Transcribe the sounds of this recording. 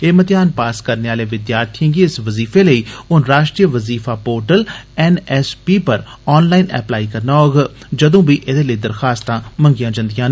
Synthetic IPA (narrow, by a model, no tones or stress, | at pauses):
eːmət̪ɪjaːnpaːskəɾneːaːleːʋɪd̪jaːɾt̪ʰĩɡiːɪsʋəziːfʰeːləiːʊnɾaːʃʈɾijəʋəziːfaːpoːɾʈəlɛnɛːspiːpəɾ | ɔːnlaːinɛ̰ːplaːiːkəɾnaːoːɡaː | d͡ʒəd̪õːbiːʔed̪eːləiːd̪əɾxaːst̪ãːmə̃ŋɡɪjãːd͡ʒə̃nd̪ɪjãːn